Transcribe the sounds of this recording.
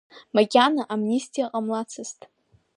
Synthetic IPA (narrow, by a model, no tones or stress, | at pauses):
maɡʲanaʔamnistʰʼijaqʼamlat͡sʰɨztʼ